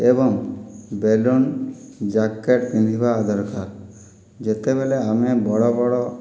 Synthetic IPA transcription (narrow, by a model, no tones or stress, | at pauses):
ebɔŋbelund͡ʒakːeʈbinʱibaːd̪ʱɔɾkaɾ | d͡ʒet̪eβeleamebɔɽɔbɔɽɔ